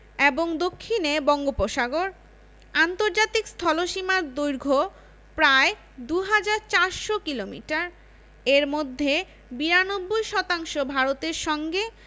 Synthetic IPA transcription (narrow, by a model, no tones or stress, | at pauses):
eboŋd̪okʰːinebɔŋɡopoʃaɡoɾ | ant̪oɾd͡ʑat̪ikst̪ʰɔloʃimaɾd̪ujɾɡʱo | pɾae | d̪uɦad͡ʑaɾt͡ɕaɾʃokilomḭʈaɾ | eɾmod̪ʱːe | biɾanobːojʃɔt̪aŋʃobʱaɾot̪eɾʃɔŋɡe